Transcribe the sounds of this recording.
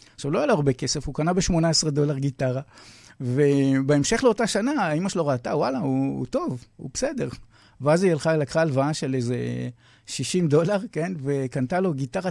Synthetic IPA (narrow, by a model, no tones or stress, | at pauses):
aχʃavlojaloʁbe̞ke̞sefhukanabeʃmo̞naesʁad̪olaʁɡitaʁave̞beemʃe̞χleo̞taʃanaːimaʃelo̞ʁat̪awalauṵto̞vṵbesede̞ʁ | veazijalχalakχaːlvaaʃe̞lejze | ʃiʃimd̪o̞laʁke̞nve̞kant̪alo̞ɡit̪aʁa